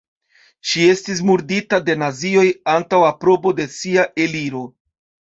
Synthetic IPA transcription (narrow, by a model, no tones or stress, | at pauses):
ʃie̞stis̬muɾditade̞nazio̞jantawapɾo̞bo̞de̞siaʔe̞liɾo̞